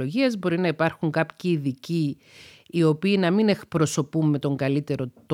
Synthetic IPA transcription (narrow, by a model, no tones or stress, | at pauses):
oʝiɐzbo̞ɾinɐipɐɾxuŋkɐpçiːðiciː | o̞piːnɐmine̞kpɾo̞so̞pumːe̞t̪o̞ŋɡɐlit̪e̞ɾo̞t̪